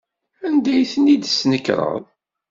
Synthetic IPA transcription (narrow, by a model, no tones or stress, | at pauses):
ænd̪æjθənid̪snəkːɾˤə̰ðˤ